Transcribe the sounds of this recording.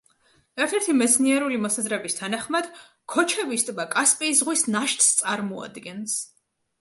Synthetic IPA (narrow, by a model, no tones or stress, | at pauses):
ɛɾt̪ʰɛɾt̪ʰimɛt̪sʰniɛɾulimɔsazɾɛbist̪ʰanaχmad̪ | kʰɔt͡ʃʰɛvist̪ʼbakʼaspʼiːsʁwisnaʃt̪ʼst̪sʼaɾmɔa̰d̪ɡɛns